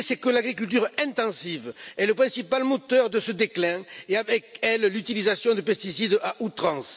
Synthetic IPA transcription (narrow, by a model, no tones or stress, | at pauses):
sɛkəlaɡʁikylt̪̬yʁɛ̃t̪ɑ̃sivɛləpχɛ̃sipalmot̪œʁd̪əsəd̪eklɛ̃eavɛkɛllyt̪ilizasjɔ̃d̪əpɛst̪isid̪aʔut̪χɑ̃s